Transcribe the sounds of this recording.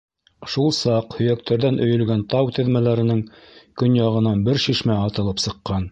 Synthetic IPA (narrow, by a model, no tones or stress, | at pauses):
ʃulˠsɑqhɵ̆jæk̚t̪ʰæɾðænʔɵ̆jɵ̆lɡænt̪ɑwt̪ɘ̆ðmælæɾɘ̆nɘŋ | kɵnjɑʁɤ̆nɑnbɘɾʃiʃmæɑt̪ɤ̆lˠɤpsɤ̆qːɑn